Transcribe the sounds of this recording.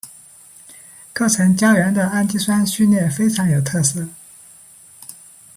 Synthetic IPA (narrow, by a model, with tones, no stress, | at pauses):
kɤ˥˩ʈ͡ʂʰɤ˧˥ŋt͡ɕjɑ˥ʊɥɛ˧˥nd̪ə˧a˥nt͡ɕi˥swa˥nɕy˥˧nljɛ˥˩fe˥ɪʈ͡ʂʰɑ˧˥ŋjo˨˩ʊt̪ʰɤ˥˩sɤ˥˩